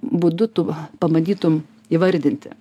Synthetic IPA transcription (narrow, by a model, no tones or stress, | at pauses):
bʊd̪ʊt̪upɐmɐd̪ʲiːt̪ʊm | iːʋɐɾʲd̪ʲɪnʲt̪ʲɪ̰